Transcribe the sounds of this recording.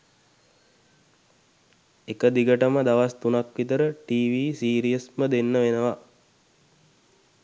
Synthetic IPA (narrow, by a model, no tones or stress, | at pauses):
ekəd̪iɡəʈəməd̪aʋast̪unakʋit̪əɾəʈiːʋiːsiːɾijəsməd̪enːəʋenəʋa